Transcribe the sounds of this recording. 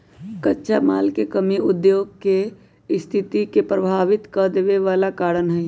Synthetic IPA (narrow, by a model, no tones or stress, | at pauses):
kətːʃʰamaːlkekəmiʊd̪joːɡ̚ke | st̪ʰɪt̪ikepɾəbʱaːʋɪt̪kəd̪eːʋeʋaːlakaːɾənɦɛ